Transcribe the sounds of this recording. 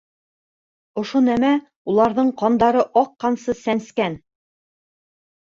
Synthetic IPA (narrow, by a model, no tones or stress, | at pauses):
ŏʃonæmæ | ulˠɑɾðɤɴqɑnd̪ɑɾɤʔɑqːɑnsɤsænskæn